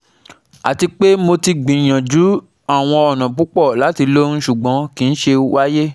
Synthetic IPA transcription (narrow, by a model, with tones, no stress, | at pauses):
a˨ti˧k͡pe˦mo˧ti˧ɡ͡bĩ˨j̃ã˨d͡ʒu˨˦ | a˦˨w̃ɔ̃˧ɔ˨nɔ̃˨k͡pu˦k͡pɔ˦˨la˨˦ti˧lo˦ñ̩˦ʃu˨ɡ͡bɔ̃˨˦kĩ˨˧ñ̩˦ʃe˧wa˦je˦